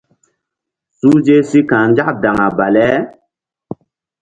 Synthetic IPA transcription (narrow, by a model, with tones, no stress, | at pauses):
suː˦d͡ʒe˦si˦kã˨nd͡ʒa˦ʔda˨ŋa˨ba˨lɛ˦